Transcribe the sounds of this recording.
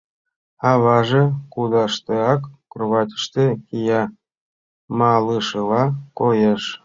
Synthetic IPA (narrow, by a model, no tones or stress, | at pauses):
ɑβɑʒekud̪ɑʃt̪eɑkkroβɑt̪ʲə̥ʃt̪ekijɑ | mɑlɯʃɤlɑkojeʃ